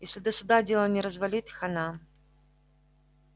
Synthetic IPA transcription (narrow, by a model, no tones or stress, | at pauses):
jesʲlʲɪd̪əsʊd̪adʲelˠənʲɪɾəzvɐlʲit̪xɐna